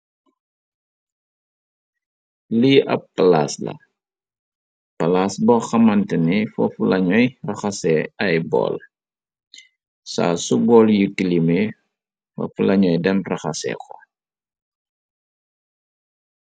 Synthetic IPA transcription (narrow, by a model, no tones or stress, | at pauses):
liʔɐ̰pːɐlaslɐ̰ | pɐlasbɔxɐmɐntənifɐfulɐɲɔjrɐxɐsɛɐjbɔ̰l | sa̰ːsubɔːljitilime | fɐ̰fulɐɲɔjdɛnrɐxɐsɛ̰xɔ̰